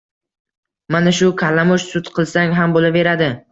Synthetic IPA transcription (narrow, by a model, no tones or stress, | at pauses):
manaʃʊkʰalːamʊʃsʊt̪qʰɨlˠsaŋɦambolave̞ɾad̪ɪ